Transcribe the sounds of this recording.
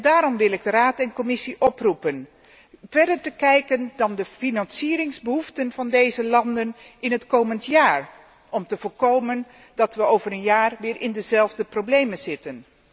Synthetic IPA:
daːɾɔmʋɪlˠɪɡdəraːtɛnkɔmɪsiʔɔprupən | vɛɹdəɹtəkɛjkəndɑndəfinɑnsiːɾɪŋzbəɦuftənv̥ɑndejzəlɑndənɪnɦətkowməntjaːɹ | ɔmtəvʊːɹkowmən | dɑtʋəowvərənjaːrʋɪːɹʔɪndəzɛlˠvdəprowblejməz̥ɪtən

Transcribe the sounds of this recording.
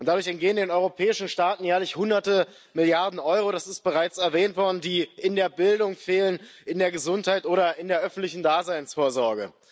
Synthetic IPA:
ʔʊntd̥adʊɐçɛntɡ̥eːəndeːnʔɔʏʁopʰɛːɪʃn̩ʃtaːtn̩jɛːɐlɪçhʊndɐtə | mɪljaɐdn̩ʔɔʏʁoɾasɪst̚b̥əʁaɪt͡sɛɐvɛːntv̥ɔɐdn̩diːɪndeːɐbɪldʊŋfeːlənɪndeːɐɡəzʊnthaɪtʔoːɾɐɪndeːɐʔœfn̩tlɪçn̩daːzaɪnsfoːɐzɔɐɡə̰

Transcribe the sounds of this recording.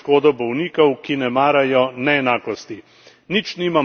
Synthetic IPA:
koːd̪ɔbɔwniːkɔwkinɛmaːɾajɔnɛɛnaːkɔst̪i | nit͡ʃniːmam

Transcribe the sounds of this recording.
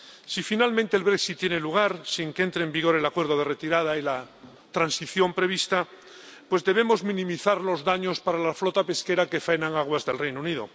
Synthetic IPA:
sifinalmẽnt̪eːlβɾeksit̪ːjeneluɣ̞aɾsiŋkee̞nt̪ɾeːmbiɣo̞ɾe̞lakwe̞ɾðo̞ðe̞ret̪iɾað̞aila | t̪ɾansiθjo̞mpɾe̞β̞ist̪a | pwe̞zðe̞β̞e̞mo̞zmĩnĩmiθaɾlo̞zðaɲo̞spaɾalaflot̪ape̞ske̞ɾake̞fenãŋaɣwazðe̞lrejnouniðo̰

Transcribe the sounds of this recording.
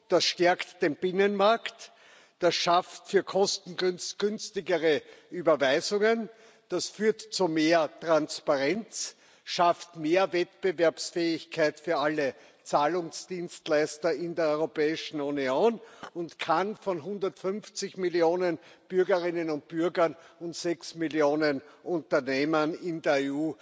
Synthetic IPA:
d̥asʃtɛɐktd̥enbɪnənmaɐkt | d̥asʃaftfyːɐkʰɔstn̩ɡnsɡ̥ʏnstɪɡəʁəyːbɐvæɪzʊŋən | d̥asfyːɐtt͡sumeːɐtʁanspaʁɛnt͡s | ʃaftmeːɐvɛtb̥əvɛɐpsfɛːɪçkʰaɪtfyːɐalə | t͡saːlʊŋsd̥iːnstlæɪstɐɪndeːɐɔʏʁopɛːɪʃn̩unioːnʊntkʰanfɔnɦʊ̃ndɐtfʏnft͡sɪçmɪljoːnənb̥ʏɐɡəʁɪnənʊnt̚b̥yɐɡɐnʊntsɛksmiljoːnənʔʊ̃ntɐneːmənɪndeəɐeːuː

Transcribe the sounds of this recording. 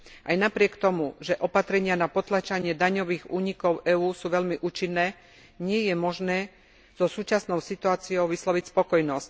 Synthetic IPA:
ʔajnapɾɪɛkt̪ɔmuʒɛʔɔpat̪ɾɛɲɪanapɔt̪lat͡ʃaɲɪɛd̪aɲɔʋiːɣuːɲikɔʊʔɛuːsuːʋɛʎmiʔuːt͡ʃinːɛː | ɲɪɛjɛmɔʒnɛː | z̥ɔsuːt͡ʃasnɔʊsit̪uaːt͡siɔʊʋislɔʋicspɔkɔjnɔsc

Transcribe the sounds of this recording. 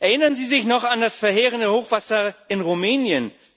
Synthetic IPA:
ʔɛɐʔɪnɐnziːzɪçnɔχandasfɛɐɦeːʁəndəhoːχv̥asɐʔɪnʁumɛːnjən

